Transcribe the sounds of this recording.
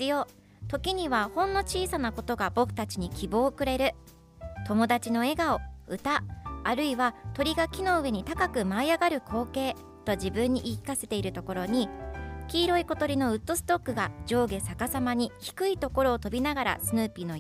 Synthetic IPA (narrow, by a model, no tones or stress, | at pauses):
ɨjo̞ː | t̪o̞kʲiɲ̟iβahõ̞nːo̞t͡ɕiːsanako̞t̪o̞ɡabo̞kɯ̟̥t̪at͡ɕiɲ̟ikʲibo̞ːkɯ̟ɾe̞ɾɯ̟ | t̪o̞mo̞d̪at͡ɕino̞e̞ɡao̞ɯ̟t̪aːɾɯ̟iβat̪o̞ɾʲiɡakʲino̞ɯ̟βe̞ɲ̟it̪akakɯ̟maiaɡaɾɯ̟kʰo̞ːke̞ː | t̪o̞d͡ʑibɯ̟̃ɲ̟ːiʔikʲi̥kase̞t̪e̞iɾɯ̟t̪o̞ko̞ɾo̞ɲ̟ikʲiːɾo̞iko̞t̪o̞ɾʲino̞ɯ̟t̪ːo̞sɨ̥t̪o̞kːɯ̟ɡad͡ʑo̞ːɡe̞sakasamaɲ̟içi̥kɯ̟it̪o̞ko̞ɾo̞ːt̪o̞bʲinaɡaɾa̰sɨnɯːpʲino̞